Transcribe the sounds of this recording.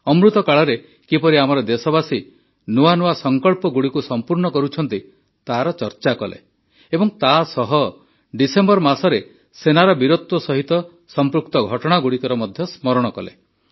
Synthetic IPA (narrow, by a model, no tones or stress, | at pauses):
ɔmɾut̪ɔkaɭɔɾe | kipɔɾiamɔɾɔd̪esɔbasi | nuanuasɔŋkɔɭpɔɡuɽikusɔmpuɾɳɔkɔɾut͡ʃʰɔnt̪i | t̪aɾɔt͡ʃɔɾt͡ʃakɔlḛ | ebɔŋt̪asɔɦɔ | ɖisembɔɾmasɔɾe | senaɾɔbiɾot̪wɔsɔɦit̪ɔ | sɔmpɾukt̪ɔɡʱɔʈɔɽ̃aɡuɽikɔɾɔmɔd̪ʱjɔsmɔɾɔɽ̃ɔkɔ̰lḛ